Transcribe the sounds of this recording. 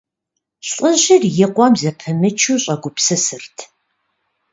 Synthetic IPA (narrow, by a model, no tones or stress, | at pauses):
ɬʼəʑɪrjɪqʷɔmzɐpʰɨmɨt͡ʃʰuːɕʼɐɡʷʊpsɨsɨrtʰ